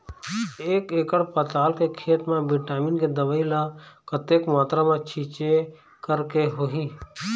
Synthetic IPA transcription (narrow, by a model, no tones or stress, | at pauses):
eːkeːkəɽpət̪aːlkekʰeːʈmãbɪʈaːminked̪əʋəːilakət̪eːkmaːt̪ɾamãt͡ʃʰit͡ʃe | kəɾkeɦoɦiː